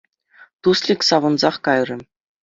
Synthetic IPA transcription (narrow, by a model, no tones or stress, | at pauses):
t̪uslʲikʲsɑʋɤ̆nzɑχkɑjrʲɤ̆